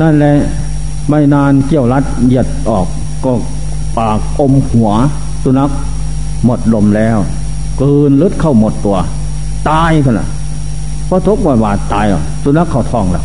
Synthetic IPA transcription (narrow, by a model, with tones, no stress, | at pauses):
na˧˥˩nlɛ˧˥ | ma˧˩jnaː˧nki˧˩əwla˦˥t̪̚ji˧˩ət̪̚ʔɔː˨˩k̚ː | ɔː˧˩ | paː˨˩ko˧mhu˨˩˦ɐ | su˧na˦˥k̚ | mo˨˩t̪̚lo˧˩mlɛː˧˥˩w | kɯː˧nlɯ˦˥t̪̚kʰa˧˩wmo˨˩t̪ːu˧ɐ | t̪aː˧jpʰa˧˩na̰˧˩ | pʰɔː˧˥˩t̪ʰo˦˥k̚mɔː˧˩waː˧˩t̪aː˨˧jʔɔ̰˨˩su˧na˦˥kʰːa˧˩wt̪ʰɔː˧˩ŋlɛ̰˧˩